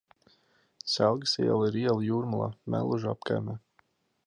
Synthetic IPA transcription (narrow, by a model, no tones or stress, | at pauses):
sælˠɡəsiɛlˠiɾiɛlˠjuːɾmulˠa̰ːmæ̰lˠuʒapka̰jmɛː